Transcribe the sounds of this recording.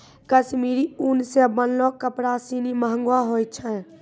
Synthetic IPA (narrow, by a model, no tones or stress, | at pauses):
kəsmiːɾiunsebənlɔkəpɾasiniməɦə̃ŋɡwaɦojt̪̚t͡ʃʰə̃n